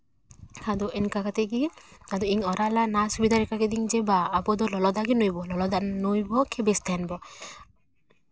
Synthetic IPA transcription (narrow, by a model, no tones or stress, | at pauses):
kʰad̪ɔʔɛnkakat̪eɡiad̪ɔiŋɔɾalanasubid̪ʱaɾɛkaked̪iŋd͡ʒɛbaːbɔd̪ɔlɔlɔd̪aɡinojbɔlɔlɔd̪anojbɔkʰebest̪ʰɛnbɔ